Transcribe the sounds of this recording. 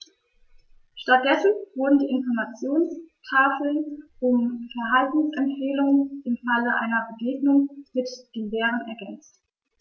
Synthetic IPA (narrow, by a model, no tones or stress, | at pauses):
ʃtat̚d̥ɛsn̩v̥ʊɐdn̩diːɪnfɔɐmat͡sjoːnstʰaːfl̩nʊmfɛɐɦaltn̩sʔɛmfɛːlʊŋənɪmfaləʔa̰ɪnɐbəɡeːɡnʊŋmɪtd̥eːnlɛːʁ̞ənɛɐɡɛnt͡st